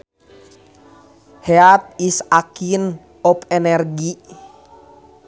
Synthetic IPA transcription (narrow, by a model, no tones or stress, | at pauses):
hɛap̪̚isakin | ɔpɛnɛrɡi